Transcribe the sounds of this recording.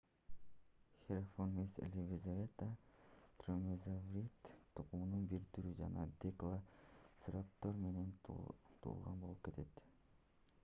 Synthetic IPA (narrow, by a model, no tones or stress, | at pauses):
xʲeɾafonisḛlʲivʲizavʲet̪ət̪romezavrit̪t̪ʰːuqununbiɾt̪yɾyd͡ʒɑ̰nɑd̪ʲeklˠasɾɑp̚t̪oɾme̞ne̞nt̪ʰṵːlˠʁɑnbo̞lˠup̚ke̞t̪ʰe̞t̪